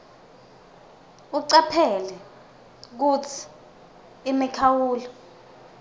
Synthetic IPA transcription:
uǀapʰɛlɛ | k̬ut͡sʰi̥ː | mikʰawuːlɔ

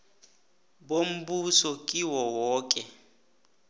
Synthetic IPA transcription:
bom̩busɔkʼiwɔwɔːkʼɛ

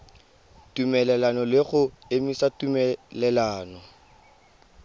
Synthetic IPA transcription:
tumɛlɛlanɔlɪɣʊemisatumɛlɛlaːnɔ

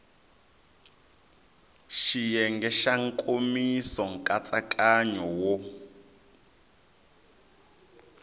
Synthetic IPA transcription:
ʃijɛŋɡɛʃaŋ̩kʼomisɔŋ̩kʼat͡sʼakʼaɲɔwɔ

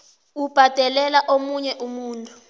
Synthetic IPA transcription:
ub̥ʱad̥ʱɛlɛlaʔomuɲɛʔumuːntʼu̥

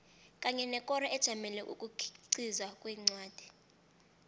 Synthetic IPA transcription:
kʼaɲɛnɛkʼɔɾaʔɛd̥ʒ̥ʱamɛlɛʔṵkʼukʰǀizwakʼwiːŋ͡ǀwaːd̥ʱi̥

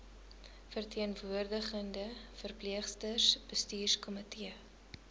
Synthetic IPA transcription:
fərtʰiənvuərdəχəndəfərpliəχstəsb̥əstiːrskɔmətiə

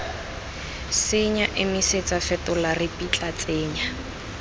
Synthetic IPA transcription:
sɪɲaʔɪmiset͡safɛtʊlarɪpʼit͡ɬʼat͡sʼeːɲa

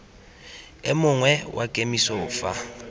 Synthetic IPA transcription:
ɪmʊŋwɛwʔakʼemisɔːfa̰

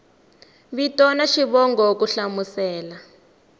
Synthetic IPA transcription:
βitɔnaʃiβɔŋɡɔokuɬamusɛːla

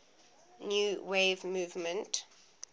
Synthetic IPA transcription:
njuːweːvmuːvmə̃nt

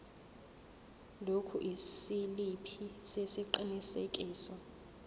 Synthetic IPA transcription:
lokʰṵʔisilipʰisesiǃinisek̬ʼiːsɔ

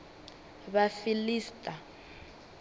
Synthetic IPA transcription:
βafiliːstʼa

